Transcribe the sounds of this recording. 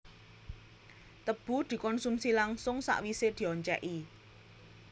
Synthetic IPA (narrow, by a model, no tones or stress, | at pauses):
t̪əb̥ṳd̪̥i̤kɔnsumsilaŋsʊŋsa̰ʔwised̪̥i̤ɔɲt͡ʃɛ̰ʔi